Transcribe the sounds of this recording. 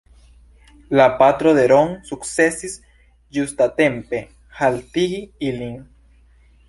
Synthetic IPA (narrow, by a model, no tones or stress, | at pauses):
lapat̪ɾoðeɾoŋsuksesis | just̪at̪empe | halt̪iɣiiliŋ